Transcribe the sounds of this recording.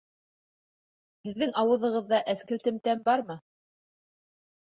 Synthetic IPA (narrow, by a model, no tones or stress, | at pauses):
hɘ̆ðːɘŋɑwɤ̆ðɤ̆ʁɤ̆ðːɑʔæskɘ̆lt̪ɘ̆mt̪æmbɑɾmɤ